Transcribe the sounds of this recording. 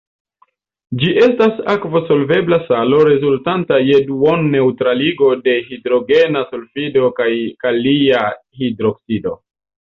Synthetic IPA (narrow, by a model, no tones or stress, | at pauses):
d͡ʒiʔe̞stasakvoso̞lve̞blasalo̞ɾe̞zultantajeduonːe̞utɾaliɡo̞de̞hidɾo̞ɡe̞nasolfido̞kajkaliahidɾo̞ksido̞